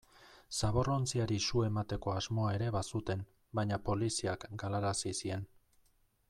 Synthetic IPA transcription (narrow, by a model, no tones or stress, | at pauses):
saβ̞o̞ro̞nt͡siaɾisue̞mat̪e̞ko̞azmo̞ae̞ɾe̞βasut̪e̞n | baɲapo̞lisiakɡalaɾasisie̞n